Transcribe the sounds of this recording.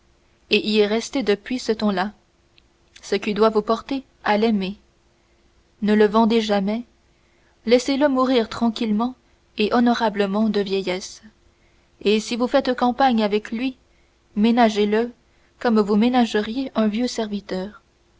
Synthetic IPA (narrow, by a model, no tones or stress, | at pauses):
eʔilɛʁɛst̪ed̪əpɥisət̪ɑ̃la | səkʲid̪wavupɔʁt̪e | alɛme | nələvɑ̃d̪eʒamɛ | lɛseləmuʁiːʁt̪χɑ̃kʲilmɑ̃ | eʔɔnɔʁabləmɑ̃d̪əvjɛjɛs | esivufɛt̪kɑ̃paɲavɛklɥi | menaʒelə | kɔmvumenaʒəʁjeʔɛ̃vjøsɛʁvit̪œːʁ